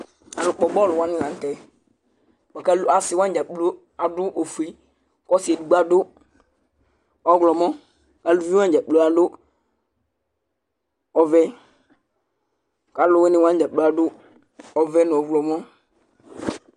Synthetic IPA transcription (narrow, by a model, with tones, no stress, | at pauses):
a˨lʊ˨k͡pɔ˨bɔ˦˨lʊ˨wã˦nɪ˦lã˨n̩˦tɛ˨ | k͡pa˨ka˦la˨sɪ˨˦wã˦n˦d͡ʒa˨k͡plo˦ | a˨dʊ˦ʔo˨fu˨i˦ | kɔ˦si˨e˨du˨ɡ͡ba˨dʊ˦ | ɔ˦ɡlɔ˨mɔ̃˦˨ | ka˨˦lu˦vi˦wã˦˨d͡ʒa˨k͡plo˦a˨dʊ˦ | ɔ˨vɛ˦ | ka˨˦lʊ˨˦wɛ˦nɪ˨wã˦n˦d͡ʒa˨k͡plo˦a˨dʊ˦ | ɔ˨vɛ˦nʊ̃˨ɔ˨vlɔ˨mɔ˦